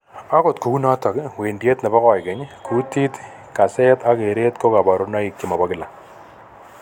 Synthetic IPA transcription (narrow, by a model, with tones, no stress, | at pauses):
a˦ko˨tku˨ku˦na˦ta˨kwe˨ndi˦e˦t̪na˨ba˦kɔ˨jkɛ˨˦ɲkʰu˨˦ti˦t̪ | ka˨se˦ta˦ke˨ɾe˦tko˦ka˨ba˨ɾʊ˦na˦ɪ˨kːɪ˦ma˨ba˦ɡɪ˦la˨